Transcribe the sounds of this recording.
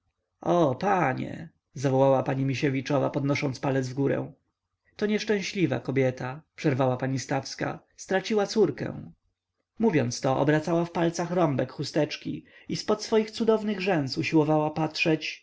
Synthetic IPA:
ɔpaɲɛ̰ | zavɔwawapaɲimʲiɕevʲit͡ʂɔva̰pɔd̪nɔʂɔnt̪spalɛd̪zvɡuɾɛ̰̃w̃ | t̪ɔɲɛʂt͡ʂɛ̃ɕlʲiva̰kɔbʲjɛt̪ʰapʂɛɾvawapaɲist̪afska̰ | st̪ɾat͡ɕiwat̪suɾkɛ̰̃w̃ | muvʲjɔnt̪st̪ɔʔɔ̰bɾat̪sawafpalt̪saxɾɔmbɛkxust̪ɛt͡ʂkʲḭispɔt̪sfɔjixt̪sud̪ɔvnɘɣʐɛnsuɕiwɔvawapatʂɛt͡ɕ

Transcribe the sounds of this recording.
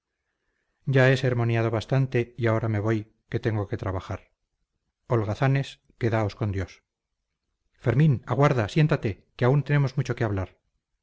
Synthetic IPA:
ɟ͡ʝae̞se̞ɾmo̞njað̞o̞βast̪ant̪e̞iao̞ɾame̞βo̞j | ke̞t̪e̞ŋɡo̞ke̞t̪ɾaβaxaɾ | o̞lɣaθane̞s | ke̞ðao̞sko̞nd̪jo̞s | fe̞ɾmĩnaɣwaɾðasje̞nt̪at̪e̞ | keaunt̪e̞ne̞mo̞zmut͡ʃo̞keaβlaɾ

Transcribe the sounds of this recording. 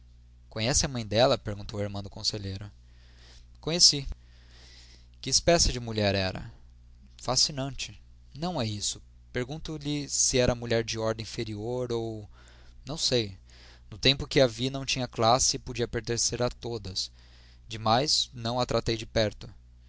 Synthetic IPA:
kõɲɛsɪɐmɐ̃j̃d̪ɛlɐpeɾɡũnt̪oweɾmɐ̃d̪ʊkõseʎejɾʊ | kõɲesi | kɪːspɛsɪd͡ʒɪmuʎɛɾɛɾɐ̰ | fasinɐ̃t͡ʃɪ | nɐ̃w̃ɛisʊ̥ | peɾɡũnt̪ʊlɪsɪɛɾɐmuʎɛɾd͡ʒɪɔɾd̪ẽfeɾioɾow | nɐ̃w̃sej | nʊt̪ẽmpʊkɪɐvinɐ̃w̃t͡ʃĩɲɐklasɪpod͡ʒiɐpeɾt̪ẽseɾat̪od̪ɐs | d͡ʒɪmajznɐ̃w̃ɐt̪ɾat̪ejd͡ʒɪpɛɾt̪ʊ

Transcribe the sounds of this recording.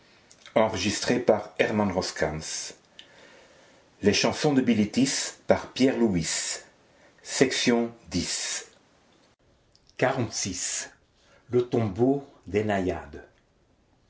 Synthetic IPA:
ɑ̃ʁəʒist̪χepaʁɛʁmãnʁɔskʰãns | leʃɑ̃sɔ̃d̪əbilit̪ispaʁpjɛʁluis | ɛksjɔ̃d̪is | kaʁɑ̃t̪sis | lət̪ɔ̃bod̪enajad̪

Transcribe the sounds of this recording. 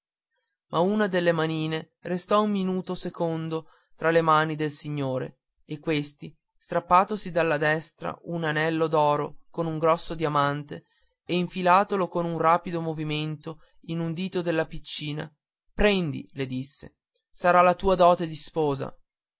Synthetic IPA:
mʔauːnad̪elːemaniːne | rest̪ɔumːinuːt̪osekond̪o | t̪ɾalemaːnid̪elsiɲːoːɾḛː | kːwest̪i | st̪ɾapːaːt̪osid̪alːad̪ɛst̪ɾa̰unanɛlːod̪ɔːɾokonuŋɡɾɔsːod̪iamant̪e | eiɱfilaːt̪olokonunraːpid̪omoviment̪o | inund̪iːt̪od̪elːapit͡ʃːiːna̰ | pɾɛnd̪ḭled̪isːḛ | saɾalat̪uːad̪ɔːt̪ed̪ispɔːza̰

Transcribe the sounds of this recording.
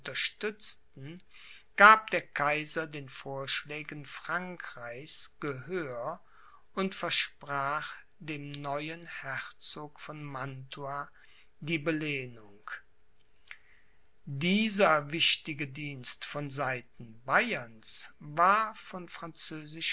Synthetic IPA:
tɐʃtʏt͡stn̩ɡ̥aːp̚d̥eːɐkʰaɪzɐdeːnfoːɐʃlɛːɡənfʁ̥aŋkʁ̥aɪçsɡ̥əɦøːɐ | ʊntfɛɐʃpʁ̥aːχ | d̥eːmnɔʏənhɛʁt͡soːkfɔnmantʰuaː | diːbəleːnʊŋk | diːzɐvɪʃtɪɡədiːnstfɔnzaɪtn̩bajɐnsvaːɐfɔnfʁ̥ant͡søːzɪʃ

